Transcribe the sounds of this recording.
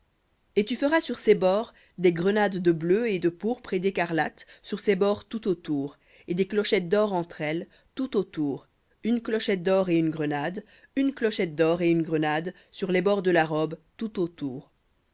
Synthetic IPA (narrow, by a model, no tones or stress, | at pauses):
et̪yfəʁasyʁsebɔʁ | d̪eɡʁənad̪ːəbløed̪əpuʁpχed̪ekaʁlat̪syʁsebɔʁt̪ut̪ot̪uʁ | ed̪eklɔʃɛt̪̚d̪ɔʁɑ̃t̪χɛl | t̪ut̪ot̪uːʁ | ynklɔʃɛt̪̚d̪ɔʁeynɡʁənad̪ | ynklɔʃɛt̪̚d̪ɔʁeynɡʁənad̪ | syʁlebɔʁd̪əlaʁɔbt̪ut̪ot̪uːʁ